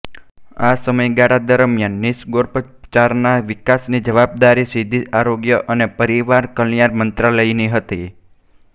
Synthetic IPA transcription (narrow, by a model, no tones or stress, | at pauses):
a̰səməjɡaɽad̪əɾmjanːiʃɡoɾpə | t͡ʃaɾnaʋikasnid͡ʒəʋab̚d̪aɾisid̪ʱiʔaɾoɡjəʔənepəɾiʋaɾkəlijaɾmənt̪ɾaləijniɦət̪i